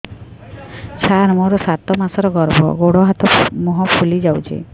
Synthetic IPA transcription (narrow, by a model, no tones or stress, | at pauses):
t͡ʃʰaɾmɔɾɔsat̪ɔmasɔɾɔɡɔɾbʱɔ̰ɡoɽɔɦat̪ʰɔmɔɦɔpʰulid͡ʒawt͡ʃʰḛ